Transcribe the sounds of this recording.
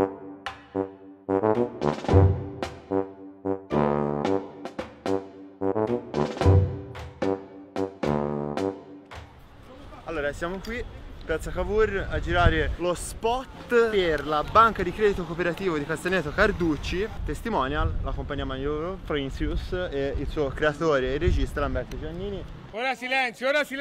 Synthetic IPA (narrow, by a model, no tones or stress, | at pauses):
alːoːɾasjaːmokwipat̪sakavurad͡ʒiɾaːɾelospɔt̪perlabaŋkad̪ikɾɛːd̪it̪okopeɾat̪iːvod̪ikast̪enɛːt̪ːokard̪ut͡ʃːit̪est̪imɔnjalːakompaɲːiːamanoɾofɾinsuseilsuːokɾeat̪oːɾeːrːed͡ʒist̪alambɛrt̪od͡ʒoanːiːni | oːɾasilɛnt̪sjooːɾasi